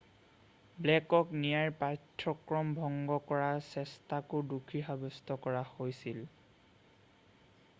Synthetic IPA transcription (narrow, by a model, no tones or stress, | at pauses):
blɛkɔknijaɹpatʰːɔkɹɔmbʱɔŋɡɔkɔɹasɛstakʊdukʰixabɔstɔkɔɹahojsil